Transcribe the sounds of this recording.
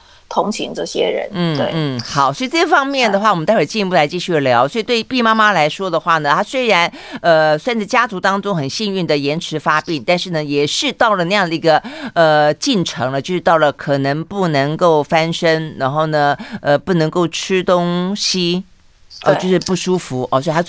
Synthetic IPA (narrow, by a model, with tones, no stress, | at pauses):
t̪ʰʊ˧˥ŋɕʰḭ˧˥ŋʈ͡ʂɤ˥˩ɕjɛ̰˥ɻə̰˧˥nn̩˥˩e˥˩n̩˥˩xɑ˨˩˦ʊswɔ˧˥i˨t͡sɤ˥˩˥fɑ˥ŋmjɛ˥˩nd̪ə˩xwa˥˩ɔ˨˩m˦nʰ˥˧˥ɛ˨˩t͡ɕi˥˧˥p̬u˥˩la˧˥ɪt͡ɕi˥˧ɕy˥˩ə˩ljɑ˧˥ʊswɔ˧˥i˨t̪we˥˧ɪ˧pi˥˧ma˥ma˥la˧˥ɪʂwɔ˥d̪ə˨xwa˥˩nə˩t̪ʰa˥swe˥ɪɻa˧˥nə˧swa˥˧nt͡sɻ̩˥˩t͡ɕja˥t͡su˧˥t̪ɑ˥ŋʈ͡ʂʊ˥ŋxə˨˩nɕi˥˧ny˥˩nd̪ə˩jɛ˧˥nʈ͡ʂʰɻ̩˧˥fa˥pi˥˩nt̪nʂɻ̩˥˩nə˩jɛ˨˩ʂɻ̩˥˧t̪ɑ˥˩ʊlə˩na˥˧jɑ˥˩ŋd̪ə˨˩i˧˥ɡə˧ə˧t͡ɕi˥˩nʈ͡ʂʰɤ˧˥ŋlə˧t͡ɕjʊʂɻ̩˥t̪ɑ˥˩ʊlə˩kʰɤ˨˩nɤ˧˥ŋpu˥˩nɤ˧˥ŋko˥˩ʊfa˥nʂə˥ŋɻa˧˥nxo˥˩ʊnə˩ə˧pu˥˩nɤ˧˥ŋko˥˩ʊʈ͡ʂ̩ʰ˥t̪ʊ˥ŋɕi˥ | ʔə˧˩˧o˥˧ʊʂɻ̩˥˧pu˥˩ʂu˥fu˧˥ʔɔ˧˩swɔ˧˥˨a˥